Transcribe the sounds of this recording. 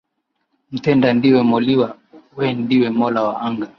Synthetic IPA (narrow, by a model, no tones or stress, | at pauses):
m̩tɛndandiwɛmɔliwa | wɛndiwɛmɔlawaaŋɡa